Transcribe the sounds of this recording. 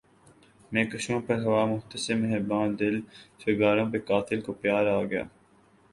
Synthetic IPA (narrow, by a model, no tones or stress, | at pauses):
mẽːkɐʃõːpɐɾɦɐʋaːmʊɦt̪əsɪmeɦɪɾbãːnd̪ɪlʃɪɡaːɾõːpekaːt̪ʰɪlkopjaːɾaːɡɐja̰ː